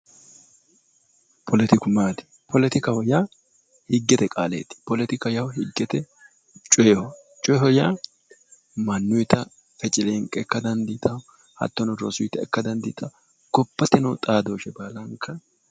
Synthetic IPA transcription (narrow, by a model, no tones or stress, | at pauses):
pʰɔlɛt̪ɪkʊmaːt̪ɪ̥ | pʰɔlɛt̪ɪkɐhɔjaː | hɪɡːɛt̪ɛkʼaːlḛːt̪ɪ̥pɔlɛt̪ɪkɐjɐwhɪɡːɛt̪ɛ | t͡ʃʼɔjhɔ | t͡ʃʼɔjhɔjaː | mɐnːʊjt̪ɐ | fɛt͡ʃʼɪleŋkʼɛɛkːɐd̪ɐnd̪iːt̪ɐw | hɐ̰t̪ːɔnɔɾɔ̰sʊjt̪ːɐɛkːɐd̪ɐnd̪iːt̪ʼɐ | ɡ̥ɔpːɐt̪ɛnɐwt̪ʼaːd̪oːʃɛbaːlɐŋkːɐ